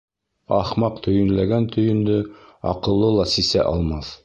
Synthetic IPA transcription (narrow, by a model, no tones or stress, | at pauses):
ɑ̰χmɑqt̪ʰɵ̆jɵ̆nlæɡænt̪ʰɵ̆jɵ̆nd̪ɵɑ̰qɤ̆lˠːɤlˠɑsisæ̰ʔɑlˠmɑθ